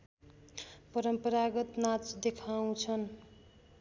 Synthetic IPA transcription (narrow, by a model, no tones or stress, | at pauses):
pʌɾʌmpʌɾaɡʌt̪nat͡sd̪ekʰaw̃t͡sʰʌn